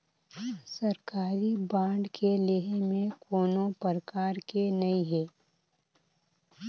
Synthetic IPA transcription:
sɐɾkaːɾibãːɳɖkʰeleɦemẽkʰoːnõpəɾəkaːɾkenɐĩɦɛː

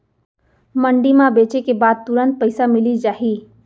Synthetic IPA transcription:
məɳɖimãbet͡ʃekebaːd̪̚t̪uɾənt̪̚pəɪsamilid͡ʒaːɦi

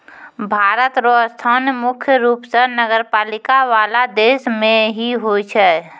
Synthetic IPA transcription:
bʱaːɾət̪ɾost̪ʰaːnmʊkʰjəɾuːpsənəɡəɾpaːlɪkaʋaːlad̪eːsmẽɦiɦojt͡ʃʰɛː

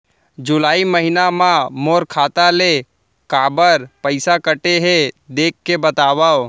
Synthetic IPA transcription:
d͡ʒʊlaːiməɦɪnamãmoːɾkʰaːt̪ale | kaːbəɾpəɪsakəʈeɦed̪eːkːebət̪aːʋao

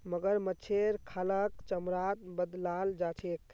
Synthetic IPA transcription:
məɡəɾmət͡ʃʰeɾkʰaləkt͡ʃəmɾat̪̚bəd̪lald͡ʒat͡ʃʰek

